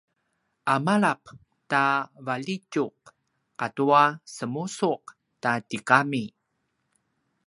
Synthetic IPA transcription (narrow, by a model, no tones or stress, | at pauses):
ʔamaɭap | tavalicuqː | atuasəmusuq̚ | tatikami